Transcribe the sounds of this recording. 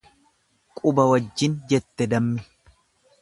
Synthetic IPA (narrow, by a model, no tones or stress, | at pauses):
kʼʊbɐwɐd͡ʒːɪnd͡ʒɛt̪ːɛd̪ɐmːɪ